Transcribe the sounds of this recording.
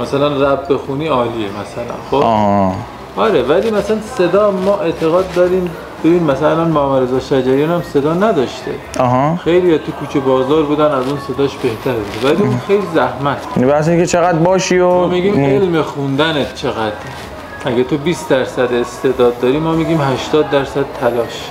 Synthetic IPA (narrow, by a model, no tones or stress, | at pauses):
mæsælænræbbe̞xuniːɒːliːemæsælæ̰nxoh | ɒɾevælimæslænse̞d̪ɒːmɒːʔe̞t̪ʰe̞ɣɒːd̪ːɒɾiːm | bebiːnmæsælænmɒːmæɾezɒːʃæd͡ʒæɾijɑnæmse̞d̪ɒːnæd̪ɒʃt̪ʰḛ | ɒɦɑxejlijɒt̪ʰukʰuːt͡ʃʰebɒːzɒːɾbuːd̪ænæzunse̞d̪ɒːʃbe̞ht̪ʰæɾbud̪evæliunxejlizæhmæt̪ʰbibæseĩŋkʰet͡ʃʰeɣæd̪̚bɒːʃiomiɡiːmelmexund̪ænet̪ʰt͡ʃʰe̞ɣæd̪̥ɾ | æɡæt̪ʰobiːsd̪æɾsæd̪est̪ed̪ɒːd̪ːɒːɾiːmɒːmiɡiːmɦæʃt̪ɒːd̪̚ːæɾsæd̪̥̚t̪ʰælɒːʃ